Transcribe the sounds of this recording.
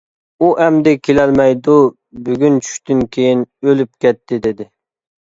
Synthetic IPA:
uʔɛmd̪ɪkʲʰelɛlmɛjd̪u | byɡʲynt͡ʃʰy̥ʃt̪ɪnkʲʰejinølyp̚kʲʰɛt̪ʰːɪd̪ɪd̪ɪ

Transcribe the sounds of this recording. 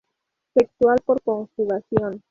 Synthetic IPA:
fekt̪walpo̞ɾkonstuɣasjon

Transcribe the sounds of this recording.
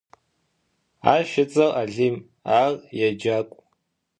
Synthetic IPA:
a̰ʃɪt͡sʼaraɮim | arʼjad͡ʒakʷʼ

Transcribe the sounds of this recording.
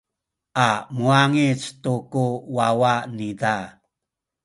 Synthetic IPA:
ʔamuaŋit͡stukuwawanida

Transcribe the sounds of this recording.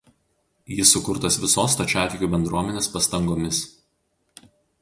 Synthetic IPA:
jɪsːʊkʊɾt̪ɐsʋʲɪsoːst̪ɐt͡ʃʲæːt̪ʲɪkʲuːbʲɛnd̪ɾuɔmʲɛnʲeːspɐst̪ɐŋɡoːmʲɪs

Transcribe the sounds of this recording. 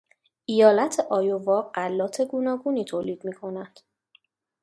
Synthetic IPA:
ʔijɒːlæt̪ʰeʔɒːjovɒːɢælːɒːt̪ʰe̞ɡuːnɒːɡuːniːt̪ʰoːliːd̪̥miːkʰo̞næd̪̥

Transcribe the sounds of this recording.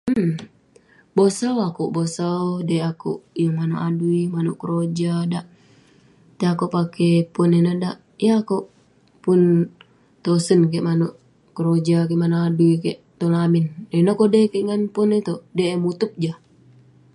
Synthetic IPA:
bosawakuʔbosaodeakṵʔjaŋmanoʔaduimanuʔkəɾod͡ʒadaʔ | t̪eakopakɛpɔnenadaʔ | jakoʔ | pun | t̪osənkeʔmanoʔ | kəɾod͡ʒakeʔmanoaduikɛʔt̪olamindeinakodekɛʔŋanpɔnet̪ɔdemut̪up̚d͡ʒa

